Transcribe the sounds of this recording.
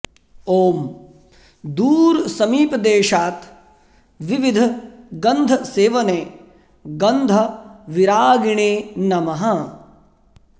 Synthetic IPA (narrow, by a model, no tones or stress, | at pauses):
oːm | d̪uːɾsɐmiːpɐd̪eːʃaːt̪ | ʋiʋid̪ʱɐɡɐnd̪ʱɐseːʋɐneː | ɡɐnd̪ʱɐʋiɾaːɡiɳeːnɐmɐɦɐ